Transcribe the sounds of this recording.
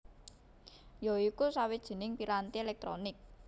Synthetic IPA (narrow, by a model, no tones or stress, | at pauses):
joikusawid̥ʒ̥i̤nɪŋpiɾant̪ielɛk̚t̪ɾo̰nɪk̚